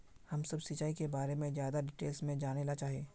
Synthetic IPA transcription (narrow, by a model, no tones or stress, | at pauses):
hɐmsɐbsit͡ʃaːikebaːɾemẽzjaːd̪aɖɪʈeːlsmẽd͡ʒaːneːlat͡ʃaːɦieː